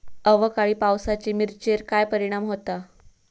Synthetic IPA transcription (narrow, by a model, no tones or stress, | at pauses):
əʋəkaɭiːpawsat͡ɕiːmiɾt͡ɕeɾkajpəɾiɽ̃amɦot̪a